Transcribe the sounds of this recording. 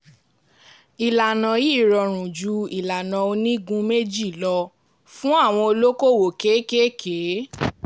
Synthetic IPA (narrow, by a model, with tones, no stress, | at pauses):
i˨la˨nã˨ji˦˨ɾɔ˧˨ɾ̃ũ˨d͡ʒu˨˧˦i˨la˨nã˨o˧nĩ˦ɡũ˧me˦d͡ʒi˦˨lɔ˧ | fũ˦a˦˨w̃ɔ̃˧o˧lo˦ko˦˨wo˨ke˨˦ke˦kʰe˨˦